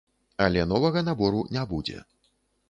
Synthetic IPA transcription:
alʲɛn̪ɔvɐɣɐnabɔɾunʲabud͡zʲɛ̰

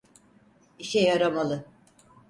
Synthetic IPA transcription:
iʃɛjaɾamalˠɯ

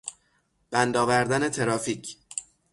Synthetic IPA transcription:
b̥ænd̪ɒːvæɾd̪æne̞t̪ʰe̞ɾɒːfiːcʰ

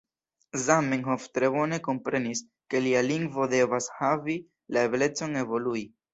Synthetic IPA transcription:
zamːiŋɦoft̪ɾe̞bo̞ne̞ko̞mpɾe̞nis | ke̞lialiŋɡvo̞de̞vashavi | laeble̞t͡so̞ne̞vo̞lui

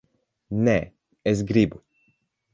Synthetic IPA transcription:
nɛ | es̬ɡɾibu

